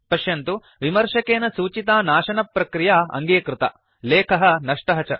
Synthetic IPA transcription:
pɐʃjɐnt̪u | ʋimɐɾʂɐkeːnɐsuːt͡ʃit̪aːnaːʃɐnɐpːɾɐkɾijaːɐ̰ŋɡeːkɾut̪ɐ̰ | leːkʰɐɦɐ̆nɐʂʈɐɦɐt͡ʃɐ

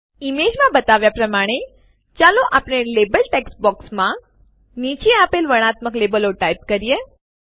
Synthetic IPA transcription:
imed͡ʒmãbət̪aʋjapɾəmaɽ̃e | t͡ʃalõʔapnelebəlʈeksbɔksmã | nit͡ʃeapelʋəɽ̃at̪məklebəloʈaip̚kəɾije

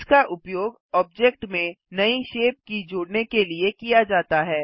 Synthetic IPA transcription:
skaʔʊpjoːɡ | ɔːb̚d͡ʒɛk̚ʈmẽnɐiʃeːp̚kid͡ʒoːɽnekeliekijad͡ʒaːt̪aɦɛː

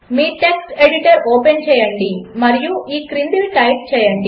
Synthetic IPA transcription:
miːʈeksʈeɽiʈɐɾoːpent͡ʃɛːjɐɳɖimɐɾijuʔiːkɾind̪ilʈɐjp̚t͡ʃɛːjɐɳɖi

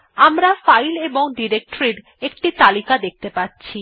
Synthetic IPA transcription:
amɾafajleboŋɖiɾek̚ʈoɾiɾ | ek̚ʈit̪alikad̪ek̚t̪epatːɕʰi

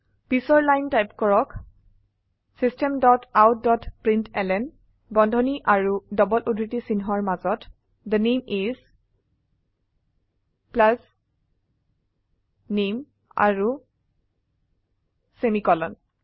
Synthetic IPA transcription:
pisɔɹlajntajpkɔɹɔk | sistɛmdɔtawt̚dɔtpɹintɛlɛn | bɔndʱɔniʔaɹudɔbɔlʔodʱɹitisinɦɔaɹmazɔt | d̪ənemiz | plas | nem | a̰ɹu | semikɔlɔn

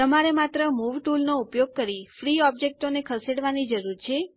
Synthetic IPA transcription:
t̪əmaɾemat̪ɾəmuʋʈulnoupjoɡ̚kəɾifɾiɔbd͡ʒek̚ʈonekʰəseɽʋanid͡ʒəɾuɾt͡ʃʰe

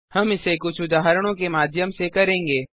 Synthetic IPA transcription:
hɐmɪsekʊt͡ʃʰʊd̪aːɦɾɽ̃õkemaːd̪jəmsekɐɾẽːŋɡeː

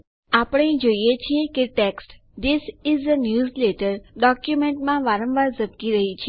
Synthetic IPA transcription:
apəɽ̃ẽd͡ʒoijet͡ʃʰiekeʈeksʈ | d̪ɪsɪzənjuːzleʈəɾɖɔkjumẽɳʈmãʋaɾə̃mʋaɾzəb̚kiɾəɦit͡ʃʰe

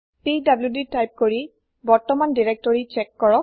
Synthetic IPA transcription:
tidabljuditajp̚koɹi | bɔɹtɔmandiɹek̚tɔɹit͡ʃɛkːɔɹɔk̚

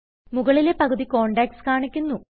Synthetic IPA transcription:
muɣɐɭile̞pɐɣɐðiko̞ːɳɖaːkskaːɳikʲːunːu

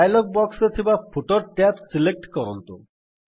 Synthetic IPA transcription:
jlok̚bɔkset̪ʰibafʰoʈoɾʈɛpsilek̚ʈkɔɾont̪o̰

